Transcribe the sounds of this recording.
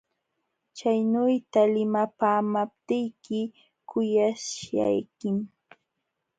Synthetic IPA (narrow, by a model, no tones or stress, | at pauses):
t͡ʃajnʊjt̪alɪmapaːmap̚t̪ɪjkɪ | kʊjaʃa̰jkɪm